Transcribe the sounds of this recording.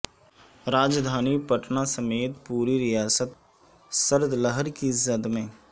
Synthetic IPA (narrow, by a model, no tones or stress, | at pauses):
ɾaːd͡ʒd̪ʱaːnipəʈnasəmeːt̪puːɾiɾɪjaːsət̪ | səɾd̪ləɦəɾkiɪzːəd̪mẽː